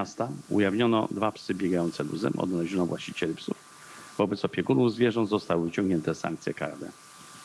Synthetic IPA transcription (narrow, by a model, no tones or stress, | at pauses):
ast̪aṵjavɲɔnɔ̰d̪vapsɘbʲjɛɡajɔnt̪sɛlṵzɛ̰mʔɔ̰d̪nalɛʑɔnɔvwʔaɕt͡ɕit͡ɕɛlipsuf | vɔbɛt̪sɔpʲjɛɡunuvzvʲjɛʐɔnd̪zɔst̪awɘut͡ɕɔ̃ŋɡɲɛnt̪ɛsa̰ŋk̚t̪sʲjɛka̰ɾd̪ɛ̰